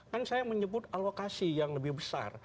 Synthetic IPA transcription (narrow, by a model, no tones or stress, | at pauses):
kansajaməɲəbʊt̪̚alokasijaŋləbɪhbəsa̰r